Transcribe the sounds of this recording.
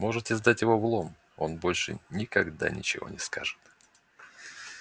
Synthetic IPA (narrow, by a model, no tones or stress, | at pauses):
mo̞ʐɨt̪ɪzd̪atʲjɪvo̞vlˠo̞m | o̞nbo̞lʲʂɨ̰nʲɪkɐɡd̪a̰nʲɪ̰t͡ɕɪ̰vo̞̰nʲɪskʰaʐɨ̥t̪